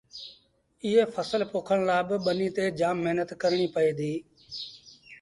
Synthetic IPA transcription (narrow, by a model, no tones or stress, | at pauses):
ɪɦeːpʰəsəlpoːkʰəɳ̃laːbɪɓəniːt̪eːd͡ʒaːmːeɦnət̪kəɾɳ̃iːpəeːd̪iː